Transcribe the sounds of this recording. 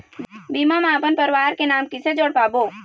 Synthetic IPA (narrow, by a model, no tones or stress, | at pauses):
biːmamaːpənpəɾʋaːɾkenaːmkɪsed͡ʒoːɽpaːboː